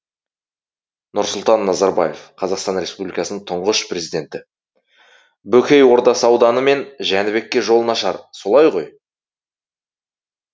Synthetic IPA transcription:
nʊɾsʊlˠt̪ɑnːɑzɑɾbɑje̞fqʰɑzɑqst̪ɑnɾʲe̞spublijkɑsənəɴt̪ʰʊɴʁəʃprʲe̞zijd̪ʲe̞nt̪ɪ | bɵkʲe̞jwo̞ɾd̪ɑsəɑwd̪ɑnəme̞nʒænɪbe̞kʲːe̞ʒo̞lˠənɑʃɑ̰ɾso̞lˠɑjʁo̞j

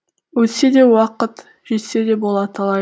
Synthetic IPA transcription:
wɵt̪se̞d̪e̞wɑqət̪ | ʒ̥e̞t̪se̞d̪e̞bo̞lˠɑt̪ʰɑlˠɑ

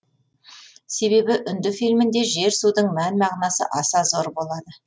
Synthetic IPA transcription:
se̞be̞bɪʔʏnd̪ɪfijlmɪnd̪e̞ʒe̞ɾsud̪əɴmænmɑʁnɑsə̰ʔɑsɑzoɾbo̞lˠɑd̪ə

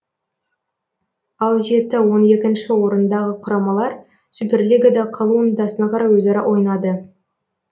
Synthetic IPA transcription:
ɑlˠʒe̞t̪ɪwo̞ne̞kʲɪnʃɪwo̞ɾənd̪ɑʁəqʰʊɾɑmɑlˠɑɾ | ʒ̥ɪbɪɾleɡʲɪd̪ɑqʰɑlˠuəɴd̪ɑsənɑqʰɑɾɑjwɵzɑɾɑʔwʔo̞jnɑd̪ə

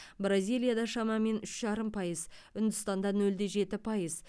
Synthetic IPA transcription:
brazʲijlʲijad̪ɑʃɑmɑme̞nʏʃʒ̥ɑɾəmpʰɑjəzʏnd̪ɪst̪ɑnd̪ɑnɵld̪e̞ʒe̞t̪ɪpʰɑjəz

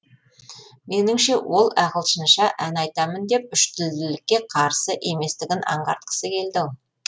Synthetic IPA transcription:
me̞nɪmʃe̞wo̞lˠæqəlˠʃənʃɑʔænɑjt̪ɑmənd̪e̞p̚ʏʃt̪ɪld̪ɪlɪkʲːe̞qʰɑɾsəʔe̞me̞st̪ɪɡʲɪnɑ̰ɴʁɑ̰ɾt̪̚qə̥səkʲʰe̞ld̪ɪ

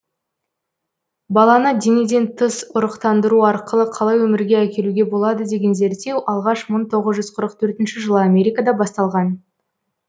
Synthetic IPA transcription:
bɑlˠɑnəd̪ened̪e̞nt̪ʰəsʊɾəqt̪ɑnd̪əɾuɑɾqəlˠəqʰɑlˠɑjwɵmɪɾɡʲeækʲe̞luɡʲe̞bo̞lˠɑd̪əd̪e̞ɡʲe̞nze̞ɾt̪ːe̞wʔɑlˠʁɑʃməɴt̪ʰo̞ʁəzʒʏzqʰəɾəq̚t̪ʰɵɾt̪ɪnʃɪʒəlˠəamʲe̞ɾʲijkad̪ɑbɑst̪ɑlˠʁɑn

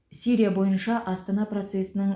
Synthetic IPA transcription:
siɾijabo̞jənʃɑʔɑst̪ɑnɑpro̞t̪se̞sɪnəɴ

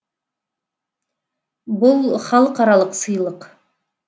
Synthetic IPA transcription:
bʊlˠχɑlˠəqɑɾɑlˠəqsəjlˠəq

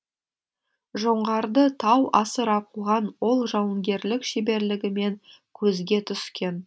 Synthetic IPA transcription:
ʒoɴʁɑɾd̪ət̪ʰɑwɑsəɾɑquʁɑnwo̞lˠʒɑwəŋɡʲe̞ɾlɪkʃebe̞ɾlɪɡʲɪme̞ŋ | kʲʰɵzɡʲe̞t̪ʰʏskʲe̞n

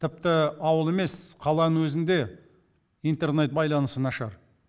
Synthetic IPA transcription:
t̪ʰɪp̚t̪ɪɑwəlˠe̞me̞sqʰɑlˠɑnənwɵzɪnd̪e̞ | ijnt̪e̞rne̞t̪̚bɑjlˠɑnəsənɑʃɑɾ

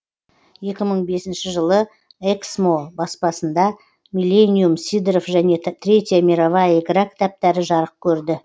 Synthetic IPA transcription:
je̞kʲɪməɴbe̞sɪnʃɪʒəlˠə | eksmo̞bɑspɑsənd̪ɑ | mʲilʲːe̞nijumsid̪rofʒæne̞t̪ʰɾʲe̞t̪ʲjamʲiɾavɑjekʲɾakt̪æp̚t̪æɾɪʒɑɾəq̚kʲʰɵɾd̪ɪ

